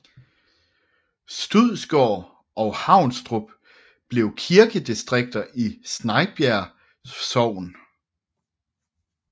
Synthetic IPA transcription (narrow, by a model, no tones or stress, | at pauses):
sd̥uð̰ˠsɡ̥ɒː | ɒ̽ʊhɑ̈ʊ̰nsd̥ʁub̥ | b̥le̝ʊkʰiɐɡ̥əd̥isd̥ʁeɡ̥̚d̥ɐʔisnɑ̈ɪb̥jæɐ | sɒʊ̰n